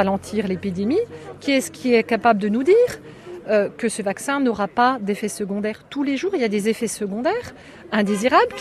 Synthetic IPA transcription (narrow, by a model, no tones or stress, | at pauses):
alɑ̃t̪ʰiʁlepid̪emikʲiɛsə̥kʲʰiɛkapabləd̪ənud̪iːʁ | økəsəvaksɛ̃nɔʁapad̪efɛsəɡɔ̃d̪ɛʁt̪uleʒuːʁiljad̪ezefɛsəɡɔ̃d̪ɛːʁ | ɛ̃d̪eziʁablkʲ